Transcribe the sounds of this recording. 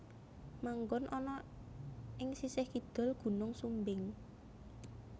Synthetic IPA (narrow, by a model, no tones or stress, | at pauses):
maŋɡʊnʔɔnɔ | ʔɪŋsisɪhkid̪̥ɔ̤lɡ̥ṳnʊŋsumbɪŋ